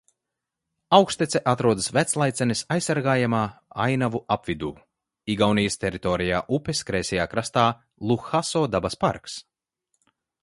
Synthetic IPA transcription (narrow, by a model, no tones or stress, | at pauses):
awkst̪ɛt̪sɛʔat̪ɾuɔd̪ɨsvæt̪slˠajt̪sɛnisajsːaɾɡaːjamaːa̰jnavuapvid̪uː | iɡawnijst̪ʲɛɾit̪ɔːɾijaːʔupɛskɾɛːsʲɛjaːkɾast̪aː | lˠuxasɔːd̪abaspa̰ɾks